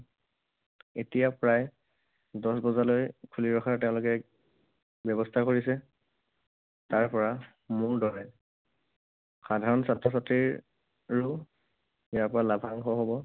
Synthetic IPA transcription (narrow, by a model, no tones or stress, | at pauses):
etijapɹaj | dɔsbɔzalojkʰuliɹɔxʰaɹtɛʊ̃lʊkɛ | bjɔbɔstʰakoɹisɛ | taɹpɔɹa | mʊɹdɔɹɛ | xadʱaɹɔnsatɹɔs̬atɹiɹ | ɹu | jaɹpɔɹalabʱaŋxɔɦobɔ